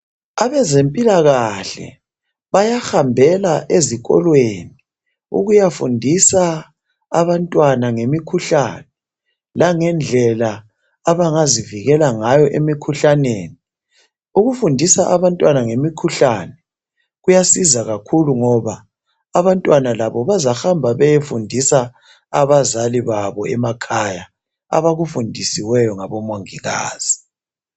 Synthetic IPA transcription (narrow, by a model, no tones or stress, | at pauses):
aβɛzempʼilaɣaɬɛ̰ | βajaxambʱɛlaʔeziɣɔ̰lweni | ṵɣujafundʱisaː | βantʼwanaŋemikʰuɬa̰nɛ | laŋɛnd͡ɮʱɛlaː | βaŋaziviɣɛlaŋajɔʔemikʰuɬaneːni | uɣufundʱisaʔaβantʼwanaŋemikʰuɬanɛ | ɣujasizaɣakʰuluŋɔβaː | βantʼwanalaβɔβazaxambʱaβɛjefundʱisa | aβazaliβaβɔɛmakʰaja | a̰βaɣufundʱisiwɛjɔŋaβɔmoŋiɣa̰ːz̥i